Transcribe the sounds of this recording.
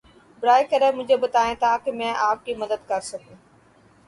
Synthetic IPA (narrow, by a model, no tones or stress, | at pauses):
bɾaːɪkəɾemʊ̃d͡ʒʱebət̪aːẽːt̪aːkɪmɛ̃ːʔaːp̚kiməd̪əd̪̚kɐɾsɐkũː